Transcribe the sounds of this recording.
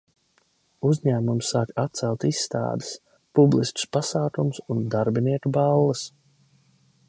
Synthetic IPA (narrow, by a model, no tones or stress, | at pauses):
uzɲæːmumsːaːkat̪̚t̪sɛlˠt̪isːt̪a̰ːd̪e̥s | publˠist̪u̥spasaːkumsund̪aɾbiniɛkubalˠːas